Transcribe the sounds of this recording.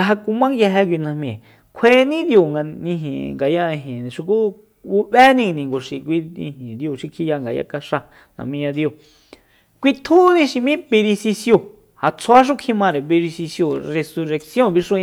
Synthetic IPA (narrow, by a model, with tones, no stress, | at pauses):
a˧ɦa˧ku˧mã˦ŋja˧ɦɛ˧k̬ʷi˧nã˧mĩ˨ | kʰeː˦nĩ˦d̪jo˧˨ŋɡa˧nĩ˧ɦḭ̃˨ŋɡa˨jã˧ɦẽ˨nĩ˨ʃi˧ku˦ | u˧βɛ˦nĩ˧nĩ˨ŋɡo˨ʂi˨kʷi˧ḭ̃˧ɦĩ˨d̪jo˧˨ʃi˧kʰi˧ja˧ŋɡa˨ja̰˦ka˧ʂa˧ | nã̰˨mĩ˧jã˧d̪jo˧˨ | kʷi˧t̪ʰuː˦nĩ˧˦ʃi˧mĩ˦be˧ɾi˧si˧sjo˧ | ha˨t͡sʰa˦ʃ̬u˦kʰĩ˧mã˧ɾe˨βe˧ɾi˧si˧sjo˧˨re˧su˧ɾe˧ksjõ˦˨βi˧ʂũ˦˧